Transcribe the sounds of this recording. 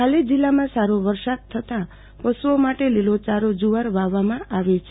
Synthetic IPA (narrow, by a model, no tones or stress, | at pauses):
kaled͡ʒilːamãsaɾoʋəɾsad̪̚t̪ʰət̪ã | pəsuomaʈelilot͡ʃaɾod͡ʒuʋaɾʋaʋamãʔaʋet͡ʃʰe